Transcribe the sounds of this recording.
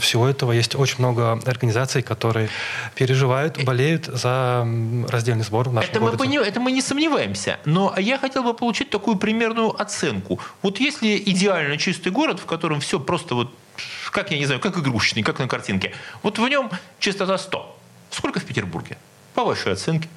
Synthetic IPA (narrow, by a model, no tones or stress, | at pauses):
fsʲɪvo̞ɛt̪əvəjesʲtʲot͡ɕɪnʲmno̞ɡəɐrɡənʲɪzat̪sɨjkɐt̪o̞ɾɨjəpʲɪɾʲɪʐɨvajʊt̪bɐlʲejʊt̪zə | rɐzʲdʲelʲnɨjzbo̞rvnaɛɛtməmɡɨɾnʲɪɛt̪əmɨnʲɪsəmnʲɪvajɪmsʲə̰no̞ʔjaxɐtʲe̞lˠbɨpəlˠʊt͡ɕit̚ʲt̪ɐkujʊpɾʲɪmʲe̞rnʊjʊʔɐt̪sɛnkʊvo̞t̪jesʲlʲɪʔɪdʲɪalʲnət͡ɕist̪ɨjɡo̞ɾət̪fkɐt̪o̞ɾəmfsʲo̞pɾo̞st̪əvo̞t̪̚ | kakjanʲɪznajʊkakɪɡɾuɕnɨjkaknəkɐrtʲinkʲɪvo̞t̪vnʲo̞mt͡ɕɪst̪ɐt̪ast̪o̰ | sko̞lʲkəfʲpʲɪtʲɪrbṵrɡʲɪ̰ | pɐvaʂɨjɐt̪sɛnkʲɪ̥